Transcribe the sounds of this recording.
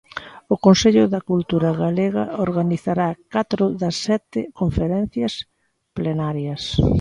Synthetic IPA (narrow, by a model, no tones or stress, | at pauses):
ʊkonseʎʊðɐkult̪uɾaɣaleɣɐ̰oɾɣaniθaɾakat̪ɾʊðɐsːɛt̪ɪkoɱfeɾɛn̟θjɐs | plenaɾjɐs